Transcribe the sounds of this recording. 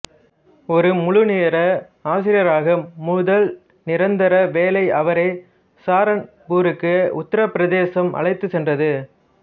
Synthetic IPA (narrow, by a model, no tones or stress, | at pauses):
ɔɾɯmʊɻʊneːɾɐ | aːs̬ɪɾɪjɐɾaːɣɐːʊðɐl | nɪɾɐnd̪ɐɾɐʋeːlɐɪʔɐʋɐɾɐɪ | saːɾɐn | buːɾɯkːɯʊt̪ːɐɾɐpːɪɾɐðeːsɐmʔɐ̰ɭɐɪt̪ːɯsɛndrɐðɯ